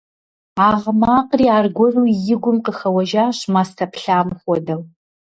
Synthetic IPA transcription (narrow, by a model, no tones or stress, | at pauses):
aːʁmaːqriːaːrɡʷɔruːjɪɡʷʊmqəxɐwɐʒaːɕmaːstʰɐpɬaːmχʷɔdɐw